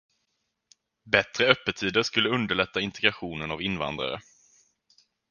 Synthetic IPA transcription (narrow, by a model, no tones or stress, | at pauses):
bɛt̪ɾəœpːət̪ʰiːd̪əɾʂkɵlːəɵnd̪əɭɛt̪ʰːaɪnt̪ʰɛɡɾaɧuːnənavɪnva̰nd̪ɾa̰ɾə̰